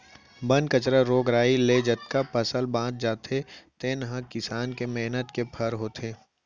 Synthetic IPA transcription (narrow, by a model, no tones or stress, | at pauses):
bɐ̃nd̪kət͡ʃɾaɾoːɡɾaːileːd͡ʒət̪̚kapɐsəlbãːd̪̚d͡ʒaːt̪ʰet̪eːnɦãkɪsaːnkemeɦnət̪kepʰɐɾɦoːt̪ʰeː